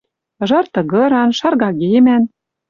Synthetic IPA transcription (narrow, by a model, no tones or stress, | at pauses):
ʒɑrt̪ɤ̆ɣɤ̆ɾɑnʃɑrɣɑɣemæn